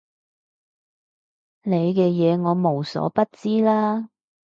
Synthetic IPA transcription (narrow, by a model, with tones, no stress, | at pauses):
ne˨˧jkɛː˧jɛː˨˧ŋɔː˨˧mo˨˩wsɔ̰ː˨˥pɐ˥t̚t͡siː˥laː˥